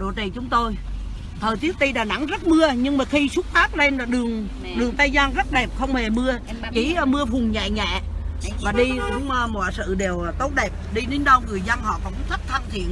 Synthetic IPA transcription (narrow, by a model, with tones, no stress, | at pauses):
ɗo̰˧˩t͡ɕi˨˩t͡ɕʊ˨˦ŋ͡mt̪o˧j | t̪ʰəː˨˩jt̪ɨ˦˥ək̚t̪i˧ɗaː˨˩na̰˨˥˦ŋzə˦˥t̚mɨ˧əɲɨ˧ŋmaː˨˩xi˧sʊ˦˥t̚faː˦˥k̚le˧nlaː˨˩ɗɨ˨˩əŋ | ɗɨ˨˩əŋt̪aː˧jzaː˧nzə˦˥t̚ɗɛ˨˩p̚xə˧wŋ͡mme˨˩mɨ˧ə | ki˨˦˨mɨ˧əfʊ˨˩ŋ͡mɲɛ̰˧˨ɲɛ̰˧˨vaː˨˩ɗi˧kʊ̰˧˥˦ŋ͡mmɔ˧˩sɨ̰˧˨ɗe˨˩wt̪o˦˥t̚ɗɛ˨˩p̚ɗi˧ne˨˦n̟ɗə˧wŋɨ˨˩əjza˧ŋhɔ̰˧˨kɔ˨˧˦wkt̪ʰə˦˥t̚t̪ʰa˧˩mt̪ʰi˧˨ən